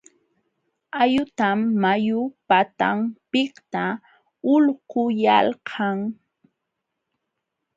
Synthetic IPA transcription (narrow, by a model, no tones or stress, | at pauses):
ajʊt̪amːajʊpat̪a̰mpɪkt̪a | ʊlqʊjalqʰɑŋ